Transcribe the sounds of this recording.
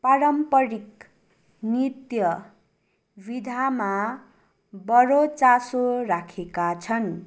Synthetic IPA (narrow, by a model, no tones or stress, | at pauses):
paɾʌmpʌɾik | nit̪jʌ | bid̪ʱama | bʌɾot͡sasoɾakʰekat͡sʰʌn